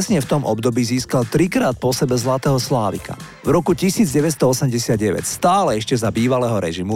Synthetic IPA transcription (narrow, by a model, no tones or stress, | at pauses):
ɛsɲɛft̪ɔmʔɔbd̪ɔbiːziːskalt̪ɾikɾaːt̪̚pɔsɛbɛzlat̪ɛːɦɔslaːʋḭka̰ | vɾɔkucisiːd͡zɟɛʋɛst̪ɔɔsɛmɟɛsɪad̪̚ɟɛʋɛ̰cst̪aːlɛɛʃcɛzabiːʋalɛːɦɔɾɛ̰ʒimu